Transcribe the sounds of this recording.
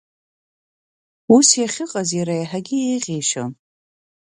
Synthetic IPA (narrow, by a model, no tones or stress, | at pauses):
usjaχʲɪqʼazjaɾajaħaɡʲɪjejʁʲeʃa̰